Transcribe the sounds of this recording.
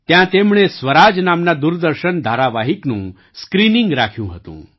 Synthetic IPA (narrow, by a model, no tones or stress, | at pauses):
t̪jãt̪emɭ̃esʋəɾad͡znamnad̪uɾd̪əɾɕənd̪ʱaɾaʋaɦiknũː | skɾiniŋɡɾakʰjũɦət̪ṵ̃ː